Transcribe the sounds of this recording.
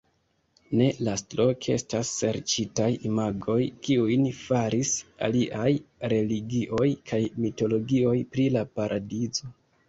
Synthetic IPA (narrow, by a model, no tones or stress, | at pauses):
ne̞lastɾo̞ke̞̰stasːe̞ɾt͡ʃitajimaɡo̞jkiujnfaɾisa̰liʔajɾe̞liɡiʔo̞jkʰajmito̞lo̞ɡio̞jpɾilapaɾʔadizo̞